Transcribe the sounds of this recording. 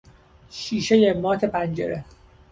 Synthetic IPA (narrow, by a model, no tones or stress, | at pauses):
ʃiːʃejemɒːt̪ʰe̞pʰænd͡ʒḛɾe